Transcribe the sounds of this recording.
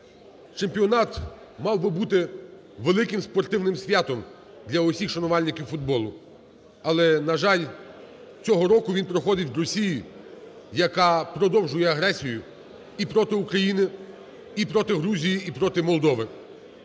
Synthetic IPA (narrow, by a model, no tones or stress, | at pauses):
t͡ʃempʲiɔnɑt̪ | mɑwbɪbut̪ɪ | ʋelˠɪkɪmspɔrt̪ɪwnɪmsʲʋʲjat̪ɔm | d̪lʲɐɔsʲixʃɐnʊʋɑlʲnɪkʲɪwfʊd̪̚bɔlˠʊ | ɐlˠɛnɐʒɑlʲ | t͡sʲɔɦɔɾɔkʊʋʲinpɾɔxɔd̪ɪtʲɾɔsʲiji | jɐkɑpɾɔd̪ɔwʒʊjɛɐɦɾɛsʲijʊ | ipɾɔt̪ɪukɾɐjinɪ | ipɾɔt̪ɪɦɾuzʲijiʔːpɾɔt̪ɪmɔlˠd̪ɔʋɪ